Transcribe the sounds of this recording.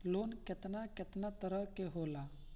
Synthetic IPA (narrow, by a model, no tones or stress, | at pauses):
loːnkɪt̪nakɪt̪nat̪əɾəkeɦoːla